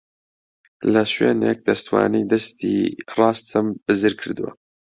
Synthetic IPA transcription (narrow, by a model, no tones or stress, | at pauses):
lɐʃweːnek̚d̪ɐst̪wa̰ːniːd̪ɐst̪ḭːrɑːst̪ʰɨmb̥ɨzɨɾkʰɨɾd̪ɨwɐ̰